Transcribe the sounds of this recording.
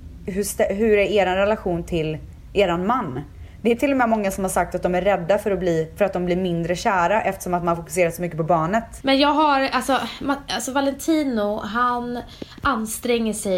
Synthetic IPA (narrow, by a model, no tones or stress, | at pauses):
ɦɵʂt̪ɛɦɵɾæɾeːɾanɾɛlaɧuːnt̪ʰɪl | ʔeːɾanmanː | d̪̥ɛæʈʰɪlːɔmɛmɔŋːasɔmhaɾʂak̚t̪at̪̚d̪ɔmæɾːɛd̪ːafœɾɔbliːfœɾat̪d̪ɔmbliːɾmɪnd̪ɾəɕæːɾaʔɛft̪ə̥ʂɔmat̪manhafʊkɵ̥s̬eːɾat̪sɔmʏkːəpɔbɑːɳət̪mɛnjɑːɡɦaɾalsɔmaalsɔvalɛnt̪ʰiːnʊɦan | ʔanːst̪ɾɛŋːəʂɛ